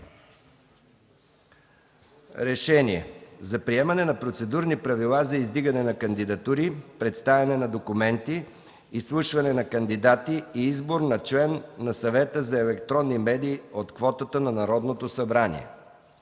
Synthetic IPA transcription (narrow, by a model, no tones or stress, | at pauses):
ɾɛʃɛniɛ̰zɐpɾiɛmɐnɛnɐpɾot̪sɛd̪uɾnipɾɐvilˠazɐizd̪iɡɐnɛnɐkɐnd̪id̪ɐt̪uɾipɾɛt̪st̪avʲɐnɛnɐd̪okumɛnt̪iː | slˠuʃvɐnɛnɐkənd̪id̪at̪iːizboɾnɐt͡ʃlɛnːɐsɐvɛt̪əzɐɛlɛk̚t̪ɾɔnːimɛd̪iːot̪kvɔt̪ət̪ənɐnɐɾɔd̪not̪osɐbɾanḭɛ̰